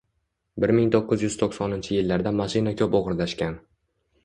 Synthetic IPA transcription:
bɪɾmɪŋt̪ʰoqːɨzjʏz̥t̪ʰoχsɒnɪnt͡ʃʰɪjɪlːaɾd̪amaʃɪnakʲʰɵpoʁɨɾlaʃkʲan

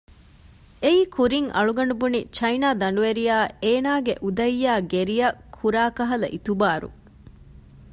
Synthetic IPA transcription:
eiːkʰuɾiŋʔɐ̰ɭuɡɐɳɖubunit͡ʃɐjnaːd̪ɐɳɖuʋeɾijaːeːnaːɡeʔud̪ɐjːaːɡeɾijɐkʰːuɾaːkɐɦɐlɐ̰ʔit̪ubaːɾṵ

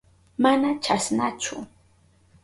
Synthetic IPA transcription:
manat͡ʃasnat͡ʃʊ

